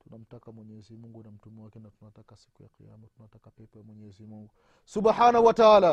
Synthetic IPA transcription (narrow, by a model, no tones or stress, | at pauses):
tunam̩takamwɛɲɛzimuŋɡunam̩tumɛwakɛnatunatakasi̥kuja̰kḭja̰mɔtunatakapɛpɔjamwɛɲɛɛzimuŋɡu | subħanahwataaːla